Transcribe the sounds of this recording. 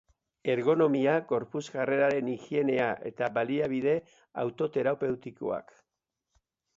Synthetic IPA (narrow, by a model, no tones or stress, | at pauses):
e̞ɾɣo̞no̞miaɣo̞ɾpuzɣare̞ɾaɾe̞nixie̞ne̞aʔe̞̰t̪aβaliaβiðe̞ | a̰wt̪o̞t̪e̞ɾape̞wt̪iko̞̰a̰k